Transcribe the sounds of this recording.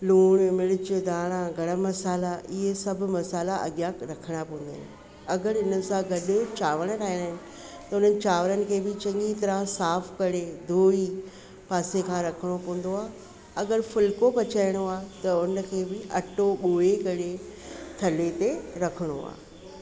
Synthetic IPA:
luːɽ̃mɪɭɪt͡ɕd̪ʱaːɽ̃ãɡʱɐɽamɐsaːlaʔɪɦesɐbʱʊ̆mɐsaːlaʔɐ̰ɡjãɾɐkʰəɽ̃apɐ̃ɦn̆d̪a̰ːɦɪ̰nɪɪ | ɐɡəɾɪnəɪ̆sãɡɐɗɪt͡ɕaːʋəɽ̃ɾaːɦiɽ̃aɦɪ̃nɪ̆ | t̪ɐʊn̤ənɪ̆t͡ɕaːʋəɾənɪ̆kʰeːbɪt͡ɕɐ̃ŋɡit̪ɐɾãsaːfkɐɽed̪ʱoːi | paːsekʰãːɾɐkʰəɽ̃opɐ̃ɦʊ̃n̆d̪oaː | ɐɡəɾfʊlkopɐt͡ɕaːɪɽ̃oaːt̪ɐʊnə̆kʰeːbɪʔɐʈoɓoːeɡɐɽet̪ʰɐlet̪eɾɐkʰəɽ̃o̰a̰ː

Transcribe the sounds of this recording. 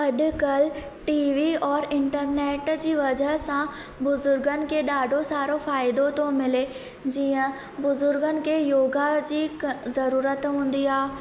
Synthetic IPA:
ɐɗkəl | ʈiːʋiɔːɾɪ̃ɳʈəɾneːʈd͡ʑiːʋɐd͡ʑəɦsã | bʊzʊɾɡənɪ̆keɗaːɖʱosaːɾõfaːɪd̪õt̪õmɪle | d͡ʑiːə̃ | bʊzʊɾɡənɪ̆kejoːɡad͡ʑiːzɐɾuːɾət̪ɦũːn̆d̪iaː

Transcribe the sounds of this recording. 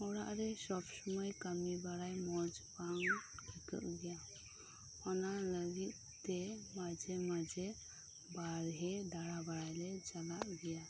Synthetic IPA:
ɔɽa̰ʔɾɛsɔbsɔmɔjkamibaɽajmɔd͡ʒpaŋkikə̰ʔɡɛja | ɔnaləɡit̪̚ | t̪ɛmad͡ʒɛmad͡ʒɛ | baɾɦɛdaɽabaɽajlɛd͡ʒalaʔɡɛja

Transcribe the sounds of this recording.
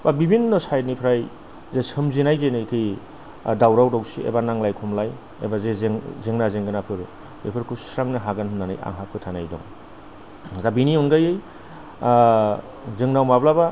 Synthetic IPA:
babibinːɔsajdnipʰɾaj | zesɯmzinajzenɯjkʰij | dawɾawdawsiḛbanaŋlajkʰumlaj | ḛbazezeŋzeŋnazeŋɡɯnapʰɯɾ | ḛpʰɯɾkʰusɾaŋnɯɦaɡanhɯnanɯ̰ja̰ŋɦap̚ʰɯtʰanajdɔ̰ŋ | zabiniunɡajɯj | zɯŋnawmablaba

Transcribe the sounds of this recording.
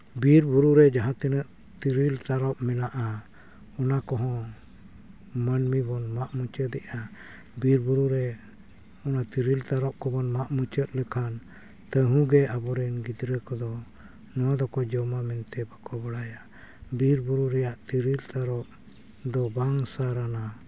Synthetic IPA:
biɾbuɾuɾɛd͡ʒaɦãt̪ɛnəʔ | t̪iɾilt̪aɾɔp̚mɛnaʔa | ɔnakɔɦɔ̃ | mənmibɔnmaʔmut͡ʃəd̪ɛʔa | biɾbuɾuɾɛ | ɔnat̪iɾilt̪aɾɔp̚kɔbɔnmaʔmut͡ʃət̪̚ləkʰan | t̪əɦũɡɛabɔɾɛnɡid̪ɾəkɔd̪ɔ | nɔwad̪ɔkɔd͡ʒɔmamɛnt̪ɛbakɔbəɽaja | biɾbuɾuɾɛjaʔt̪iɾilt̪aɾɔp̚ | d̪ɔbaŋsaɾana

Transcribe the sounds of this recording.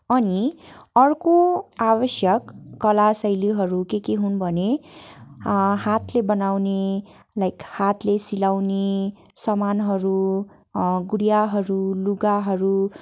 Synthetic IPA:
ʌniʌrkoabʌsjʌkːʌlasʌjliɦʌɾukekeɦunbʱʌne | ɦat̪lebʌnawne | lajkhat̪lesilawne | sʌmanɦʌɾu | ɡuɽijaɦʌɾuluɡaɦʌɾu

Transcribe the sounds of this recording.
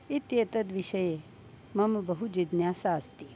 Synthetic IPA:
it̪jeːt̪ɐd̪ʋiʃɐje | mɐmbɐɦud͡ʒid̪njaːsaːst̪i

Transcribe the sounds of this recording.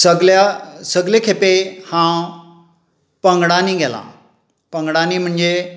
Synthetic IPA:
sɐɡlasɐɡlekʰepehã | pɐ̃ŋɡɽaːnĩɡʱelã̰ː | pɐ̃ŋɡɽaːnĩm̤ʊɳd͡ʑe

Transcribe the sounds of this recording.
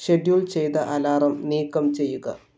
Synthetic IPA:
ɕe̞ɖjuːlt͡ɕejt̪ɐʔɐlaːrɐmniːkːɐmt͡ɕe̞jːuɣɐ

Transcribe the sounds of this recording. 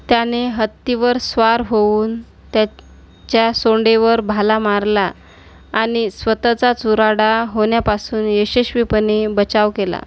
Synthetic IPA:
t̪janeɦət̪ːiʋəɾsʋaɾɦouːn | t̪ja | t͡ɕjasoɳɖeʋəɾbʱalamaɾlaː | ñisʋət̪at͡sat͡suɾaɽaɦoɳjapasuːnjəɕəɕʋipənebət͡ɕaʋkela̰

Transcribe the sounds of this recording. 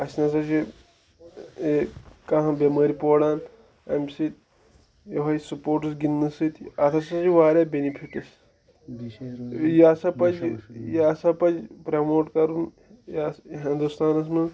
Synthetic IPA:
ɐsnɐs̬ɐt͡ʃi | eːkɐɦɐ̃bʲemɐːɾipoːɽaːn | ɐ̰msit̪ | jɐɦɐisupoːɾʈɨs̬ɡinːɨsɨt̪ɐt̪ʰɐsɐt͡ʃiʋaːɾʲaːbʲenipʰiʈɐs | jasɐpɐd͡ʒjaːsɐpɐd͡ʒpɾɐmoːʈkɐɾun | jasɦind̪ust̪aːnɐs̬mɐ

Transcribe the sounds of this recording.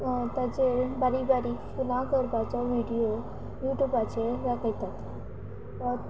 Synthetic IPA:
t̪ad͡ʑebaɾibaɾifulãkəɾbat͡sɔʋiɖio | juːʈjuːbat͡ʃʰeɾakəit̪at̪ʰ | ɔ

